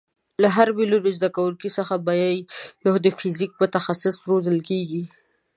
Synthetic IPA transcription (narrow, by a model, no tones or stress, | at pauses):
laɦaɾbilod̪əzd̪akawəlkisəxabajajjohd̪əfɪzik̚pət̪axasɪsɾozəlkeɡi